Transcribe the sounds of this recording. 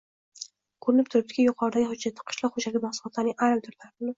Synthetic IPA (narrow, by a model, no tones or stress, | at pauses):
kʰoɾɪnɪp̚t̪ʰʊɾɪp̚t̪ɪ̥kʲajʊqʰɒɾd̪aɡʲɪhʊd͡ʒat̪ʰːɪ̥qʰʊ̥ʃlaχod͡ʒaɾɡʲamahsʊlˠɒt̪laɾnɪŋajmt̪ʰʊɾlaɾbʊnɪ